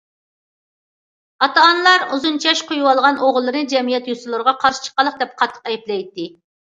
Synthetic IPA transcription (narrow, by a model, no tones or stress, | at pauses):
ɑt̪ɑːnlˠɑɾuzunt͡ʃʰɛʃqʰojuwɑlˠʁɑnoʁlˠːɨɾnɨd͡ʒɛmijɛt̪jusɨlˠɨɾəʁɑqʰɑɾʃɪ̥t͡ʃʰə̥qːɑlˠːəq̚d̪ɛp̚qʰɑt̪ʰːə̥qɛjiplˠɛjt̪ːɪ